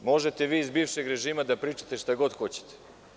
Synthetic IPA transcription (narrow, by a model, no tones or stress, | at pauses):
mo̞ʒe̞t̪e̞ʋiːizbiːʋʃe̞ɡɾe̞ʒiːmad̪apɾiːt͡ʃat̪eʃt̪aɡo̞d̪xo̞t͡ɕe̥t̪e̥